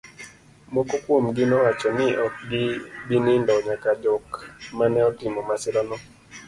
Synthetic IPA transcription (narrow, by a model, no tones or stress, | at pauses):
mɔkokwomɡɪnɔwat͡ʃɔnɪʔɔk̚ɡɪbinɪndɔɲakad͡ʒɔkmanɛɔtɪmɔmasɪlɔnɔ